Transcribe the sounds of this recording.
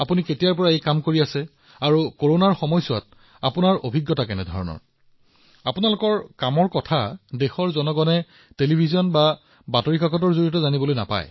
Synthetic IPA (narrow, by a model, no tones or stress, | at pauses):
apuniketijaɹpɔɹaejkamkoɹiasɛ | aɹukoɹonaɹxɔmɔjsɔwat̚ | apunaɹo̰bʱiɡːjɔtakɛnɛ̰dʱɔ̰ɹɔnɔ̰ɹ | apunalʊkɔɹkamɔɹkɔtʰadexɔɹzɔnɔɡɔnɛ | telibʱizɔnba | batoɹikaɡɔtɔɹzoɹiɔtɔzanibɔlojna̰pa̰j